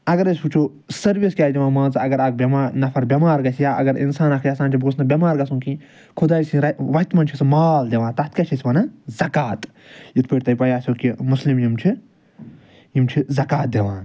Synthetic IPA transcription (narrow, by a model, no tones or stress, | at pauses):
ɐɡɐɾɐsʲut͡ʃʰoː | sɐɾʋiskʲaːd͡ʒ̪ʲeʋaːmãːnt͡sɐɐɡɐɾɐɡ̚bʲɐmaːnɐfʰɐɾbʲɐmaːɾɡɐsijaːʔɐ̰ɡɐɾḭnsaːnɐkʰjɐsaːnt͡ʃʰibosʰnɐbʲɐmaːɾɡɐsũnkĩ | kʰud̪aːjsĩɾɐʋɐit̪mɐnt͡ʃʰismaːld̪ʲeʋaːnt̪ɐt̪̚kɐt͡ʃʰisʲʋɐnɐzɐkaːt̪ | jit̪̚ʰpeːʈ̚t̪ɐjpɐjaːsʲoːkimuslimjimt͡ʃʰi | jimt͡ʃʰizɐkaːt̪̚d̪ʲeʋãːn